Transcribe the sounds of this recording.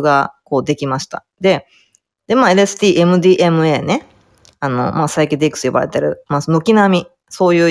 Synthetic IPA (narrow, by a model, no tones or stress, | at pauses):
ɡako̞ːd̪e̞kʲimaɕi̥t̪a̰ | d̪e̞ | d̪̥e̞maːe̞ɾesɨ̥t̪ʲiːʔe̞mɯ̟d̪ʲiːʔe̞mɯ̟e̞ːne̞ | ano̞̰maːsaikʲed̪ekɯ̟̥sɨjoba̰ɾe̞t̪eɾɯ̟̰masno̞kʲinamʲi | so̞ːjɯ̟ː